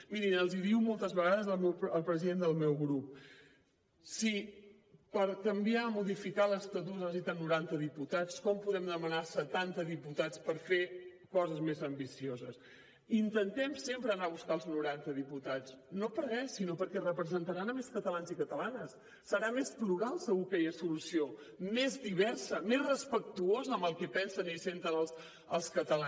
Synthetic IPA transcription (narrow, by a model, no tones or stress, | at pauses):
miɾinəlˠziðiwmolˠt̪əzβəɣaðəzəlˠmɛwəlˠpɾəziðend̪əlˠmɛwɣɾup | si | pəɾkəmbiamuðifikaləst̪əðuzəzit̪ənuɾant̪əðiput̪at͡skɔmpuðɾɛmd̪əmənasət̪ant̪əðiput̪at͡spəɾfe | kɔzəzmezəmbisiozəs | int̪ənt̪ɛmsempɾəːnaβuskaəlˠznuɾant̪əðiput̪at͡snopəɾɣɛsinopəɾkɛrəpɾəzənt̪əɾanəmeskət̪əlanzikət̪əlanəsː | əɾamespluɾalˠsəɣukɛjəsulusio | mezðiβ̞ɛrsəmezrəspək̚t̪uozəːmbəlˠkɛpɛnsənisent̪ənəlˠs | əlˠskət̪əla